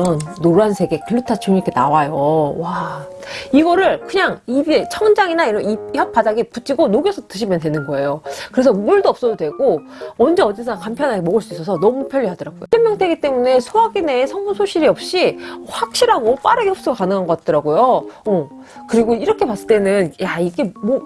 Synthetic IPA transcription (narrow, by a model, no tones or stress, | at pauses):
ʌnːoɾansʰe̞ɡe̞kʰɯɭːutʰat͡ɕuɲik͈ʰenawajowa | iɡʌɾɯɭkɯɲaŋibet͡ɕʰʌŋd͡ʑaŋinaiɾʌnijap͈ʰadaɡeputʰiɡonoɡjesʰʌtɯɕ̬ʰimjʌntwe̞nɯnɡʌe̞jokɯɾe̞s̬ʰʌmuɭdoʌp̚s͈ʌdodwe̞ɡoʌnd͡ʑeʌd͡ʑisʰaŋkampʰjʌnɦaɡemʌɡɯɭs͈uis͈ʌsʰʌnʌmupʰjʌʎːiɦadʌɾaɡojo̰t͈ʰemjʌŋtʰeɡit͈e̞mune̞sʰoaɡine̞sʰʌŋbusʰoɕʰiɾiʌp̚ɕ͈iɸwak̚ɕ͈iɾɦaɡop͈aɾɯɡejʌp̚s͈uɡakanɯŋɦanɡʌk͈at͈̚ʌɾaɡojoʌ | kɯɾiɡoiɾʌkʰe̞pas͈ɯɭt͈e̞nɯnjaiɡe̞mo